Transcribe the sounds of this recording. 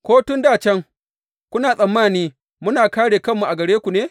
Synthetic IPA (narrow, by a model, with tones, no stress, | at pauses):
kʷoː˦tʊ˦ndaː˦˨t͡ʃɛ˦ŋ | kʷʊ˦naː˨sʼɐ˨mːaː˦˨niː˦ | mʊ˦naː˨kaː˦ɽeː˨kɐ˦mːu˨ʔa˨ɡɐ˨ɽeː˦kʷu˨neː˦